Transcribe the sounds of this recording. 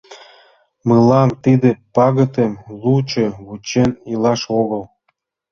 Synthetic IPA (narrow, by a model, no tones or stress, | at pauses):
məlɑnt̪id̪ĕpɑɣə̆t̪emlut͡ɕeβut͡ɕenilɑʃoɣɤ̆l